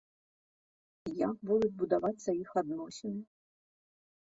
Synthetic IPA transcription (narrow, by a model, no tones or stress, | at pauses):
ijak̚bud̪ut͡sʲbud̪avat͡sʲsɐixad̪nɔsʲinʲi